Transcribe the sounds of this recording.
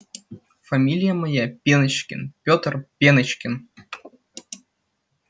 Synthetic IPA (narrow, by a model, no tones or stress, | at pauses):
fɐmʲilʲɪjəmɐjapʲenɨt͡ɕkʲɪ̰npʲot̪rpʲenɐt͡ɕkʲɪn